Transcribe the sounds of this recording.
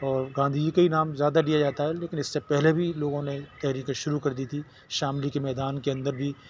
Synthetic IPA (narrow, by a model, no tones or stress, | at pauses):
ɔːɾɡãːnd̪ʱid͡ʒikɐinaːmzjaːd̪aɖijad͡ʒaːt̪aɦɛleːkɪnɪsːepɛɦlebʱiloːɡõnet̪ɛɦɾiːkẽʃʊɾukɐɾd̪iːt̪ʰi | ʃaːmlikemɛːd̪aːnkeɐ̃nd̪əɾbʱi